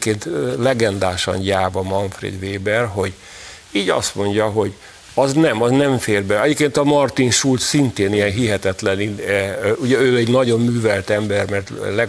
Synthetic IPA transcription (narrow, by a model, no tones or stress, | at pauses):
keːnt̪lɛɡɛnd̪aːʃɒ̰nɟaːvɒmɒɱfrḛːd̪ʋeːbɛrɦo̞ɟ | iːɟɒ̰st̪mo̞ɲɟɒɦo̞ɟ | ɒznɛmɒznɛɱfeːrbɛɛɟeːpkeːnt̪ɒmɒrt̪inʃult̪sint̪eːnijɛnɦiɦɛt̪ɛt̪lɛni | uɟɛøːɛɟnɒɟo̞mːyːvɛlt̪ɛmbɛrmɛrt̪lɛ